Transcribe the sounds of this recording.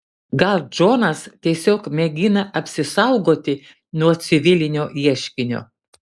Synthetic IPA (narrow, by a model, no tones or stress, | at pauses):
ɡɐlˠd͡ʒoːnɐst̪ʲiɛsʲoːkmʲɛɡʲɪnɐʔɐpʲsʲɪsɐʊɡoːt̪ʲɪ | nuɔt̪sʲɪʋʲɪlʲɪnʲoːiɛʃʲkʲɪnʲo̰ː